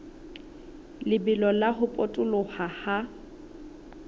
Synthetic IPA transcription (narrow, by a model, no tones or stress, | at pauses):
lɪbɪlɔlaɦʊpʼotʼʊlʊhaha